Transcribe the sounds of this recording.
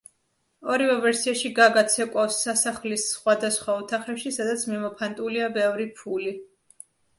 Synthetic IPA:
ɔɾivɛvɛɾsiaʃiɡaɡat̪sʰɛkʼwafsːasaχlisχwad̪asχwaut̪ʰaχɾɛpʃisad̪at̪sʰmimɔpʰant̪ʼuliabɛvɾipʰuli

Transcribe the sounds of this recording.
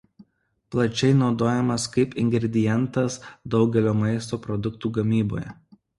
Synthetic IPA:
plˠɐt͡ʃʲɛɪnɒʊd̪oːjɛmɐskɐɪpɪŋʲɡɾʲɛd̪ʲɪjɛnt̪ɐsd̪ɒʊɡʲɛlʲoːmɐɪst̪oːpɾɔd̪ʊkt̪uːɡɐmʲiːbo̰ːjɛ

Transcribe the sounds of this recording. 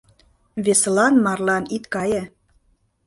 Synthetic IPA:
βeselɑnmɑrlɑnit̪kɑjĕ

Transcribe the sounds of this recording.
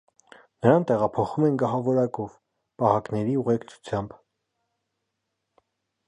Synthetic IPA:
nəɾɑnt̪ɛʁɑpʰɔχumɛnɡɑɦɑvɔɾɑkɔv | pɑhɑknɛɾiuʁɛkt͡sʰu̥t͡sʰjɑmb

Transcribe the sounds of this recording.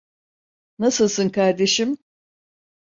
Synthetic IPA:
nasɯlˠsɯnkaɾd̪e̞ʃim

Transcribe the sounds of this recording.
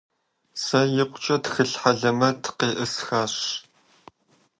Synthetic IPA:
sɐjɪqʷʊt͡ʃʼɐtxɨɬħaɮɐmɐtʰqeːʔɨsxaːɕ

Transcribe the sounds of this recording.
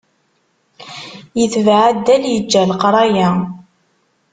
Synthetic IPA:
jəθvʕad̪ːæljəd͡ʒːælqɾˤɑjæ

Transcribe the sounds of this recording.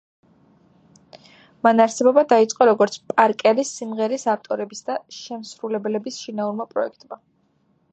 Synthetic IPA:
manaɾsɛbɔbad̪ait̪sʼqʼɔɾɔɡɔɾt̪sʰpʼaɾkʼɛɾisimʁɛɾisaft̪ʼɔɾɛbisd̪aʃɛmsɾulɛbɛlɛbisʃinauɾmapʼɾɔɛkʰt̪ʼma

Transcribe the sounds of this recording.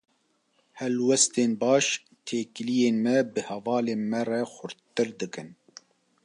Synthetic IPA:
hɛlwɛst̪eːnbɑːʃ | t̪ʰeːkɨlijeːnmɛbɨhɛvɑːleːnmɛrɛxʷʊɾt̪ɨɾd̪ɨkɨn

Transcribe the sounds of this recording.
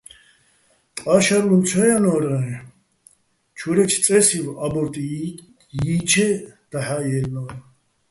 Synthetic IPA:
t̪ʼaʃaɾlunt͡sʰajanɔɾa | t͡ʃʰuɾɛt͡ʃʰt͡sʼɛsivabɔɾt̪ʼi | jit͡ʃʰɛd̪̥aħajɛlnɔɾa

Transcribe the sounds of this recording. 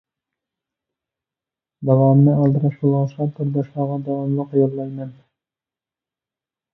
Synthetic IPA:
d̪ɑwɑːmnɪɑlˠd̪ɨɾɑʃbolˠʁɑsɑt̪ʰʊɾd̪ɑʃlˠɑːʁɑd̪ɑwɑmlˠəqjoɾlɑjmɛn

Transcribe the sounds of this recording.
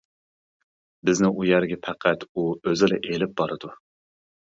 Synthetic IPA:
bɪznɪŋʔujæɾɡʲɛpʰæqʰæt̪uøzɪlɛʔelɪp̚bɑɾɨd̪u

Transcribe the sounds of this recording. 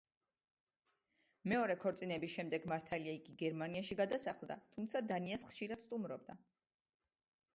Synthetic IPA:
mɛɔɾɛkʰɔɾt̪sʼinɛbisʃɛmd̪ɛɡmaɾt̪ʰaliaiɡiɡɛɾmaniaʃiɡad̪asaχlˠd̪a̰t̪ʰumt̪sʰad̪aniasχʃiɾad̪̥st̪ʼumɾɔb̚d̪a

